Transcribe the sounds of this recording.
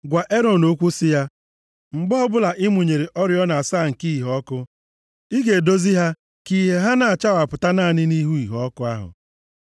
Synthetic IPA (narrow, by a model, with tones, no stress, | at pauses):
ɡʷa˨ʔe˦ɾɔ˨no˦kʷu˦sɪ˦ja˦ | ŋ͡m̩˨ɡ͡bɔ˦ɔ˦bʊ˦la˨ʔɪ˦mu˨ɲe˨ɾe˨ʔɔ˦ɾjɔ˦na˨a˨saː˦˨ŋ̩˨ki˦i˨ɦɔ˦kʊ˦ | i˦ɡe˨do˦zi˦ɦa˦ | ki˨ɦe˨ɦa˦na˨a˨t͡ʃa˦wa˨pʊ˨ta˦na˦˨nɪ˦ni˦ɦu˦i˨ɦɔ˦kʊ˦a˦ɦʊ̰˨